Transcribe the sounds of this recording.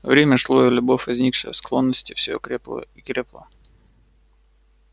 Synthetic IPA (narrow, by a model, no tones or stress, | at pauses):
vɾʲemʲəʂlˠojəlʲʊbo̞fʲvɐzʲnʲikʂəjə̰sklˠo̞nːəsʲtʲɪfsʲɪjo̰kɾelə̰ikɾʲeplˠə̰